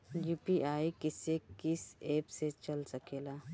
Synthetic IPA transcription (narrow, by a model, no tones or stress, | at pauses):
juːpiʔaːikɪsekɪseːpset͡ʃɐlsɐkeːlaː